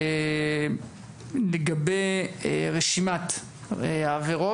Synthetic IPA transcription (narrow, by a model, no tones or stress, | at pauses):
leɡabejʁeʃimat̪ | aveʁo